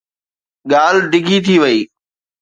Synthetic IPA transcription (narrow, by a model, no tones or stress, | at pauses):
ɠaːlɖɪɡʱit̪ʰiʋəiː